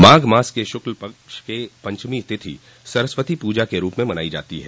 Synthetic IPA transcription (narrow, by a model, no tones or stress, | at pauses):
maːɡmaːskeʃʊklpɐkʃkepɐ̃ɲt͡ʃmit̪ʰɪt̪ʰḭ | sɐɾəsʋət̪ipuːd͡ʒakeɾuːpmẽmɐna̰ːid͡ʒa̰ːt̪iɦɛː